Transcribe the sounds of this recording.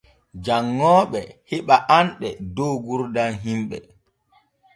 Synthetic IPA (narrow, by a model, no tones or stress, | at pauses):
d͡ʒaŋːɔːɓɛhiɓaʔanɗɛdowɡuɾdanɦimɓɛ̰